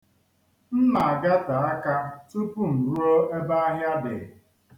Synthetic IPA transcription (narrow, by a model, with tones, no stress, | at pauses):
m̩˦ma˨a˨ɡa˦ta˨a˦ka˦tu˦pu˦m̩˨ɾu˦o˦e˦ba˦a˦ɦja˦dɪ˨